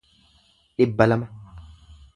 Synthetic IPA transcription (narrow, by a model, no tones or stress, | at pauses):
ɗɪbːɐlɐmɐ